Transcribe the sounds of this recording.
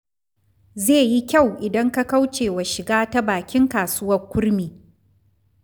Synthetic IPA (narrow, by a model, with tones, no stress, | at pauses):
zeː˦˨ji˦kʲa˦˨wʔɪ˨dɐ˦ŋka˦ka˦wt͡ʃeː˨wa˨ʃɪ˨ɡaː˦ta˦baː˨kʲɪ˦ŋkaː˨sʊ˦wɐ˦rkʷʊ˦ɽmiː˨